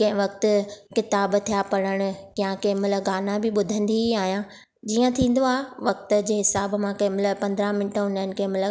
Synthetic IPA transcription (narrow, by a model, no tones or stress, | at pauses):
kɐ̃ɦɪ̃ʋɐkt̪ʊ̆kɪt̪aːbt̪ʰijapɐɽ̃əɽ̃ʊ̆kɐjãkɐmɪləɡaːnabɪɓʊd̪ʱə̃n̆d̪iaːɦjã | d͡ʑiːə̃t̪ʰĩːn̆d̪oaːɦʋɐk̚t̪ʊ̆d͡ʑeːɦɪsaːbmãkɐ̃ɦɪmɪləpɐ̃nd̪ɾãmɪnʈəɦʊ̃nnɪ̆kɐ̃ɦmɪlə